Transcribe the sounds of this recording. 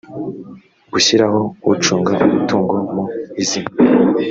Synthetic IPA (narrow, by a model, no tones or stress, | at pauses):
ɡ̥uɕiɾaɦo̞wut͡ʃuːŋɡaʔumutuːŋɡomuizina